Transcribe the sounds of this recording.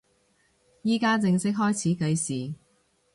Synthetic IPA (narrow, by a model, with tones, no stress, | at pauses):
jiː˥kaː˥t͡sɪ˧ŋsɪ˥k̚ɦɔː˥jt͡sʰiː˨˥kɐ˨˧jsiː˨